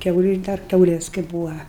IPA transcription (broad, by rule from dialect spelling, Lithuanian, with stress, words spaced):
ˈkʲɛʊlʲʊ dɐr ˈkʲɛʊlʲeːs kɐɪ ˈbuːʋɐ